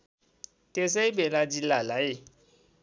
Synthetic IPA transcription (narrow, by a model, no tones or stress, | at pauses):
tes̬ɛibelad͡ʒilalaje